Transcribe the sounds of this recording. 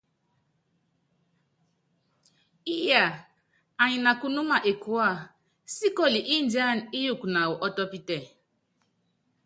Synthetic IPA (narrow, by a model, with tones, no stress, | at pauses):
i˦ja˨ | a˨ɲi˨na˨ku˨nu˦ma˨ʔe˨ku˨˦a˦˨ | si˦kɔ˦˨li˨ʔi˦n˦da˦˨ni˦ju˦˨kna˨wu˨ʔɔ˦tɔ˦pi˦tɛ˦˨